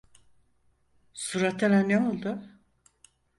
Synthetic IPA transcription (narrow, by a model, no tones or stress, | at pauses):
suɾat̪ʰelænneolˠd̪ʊ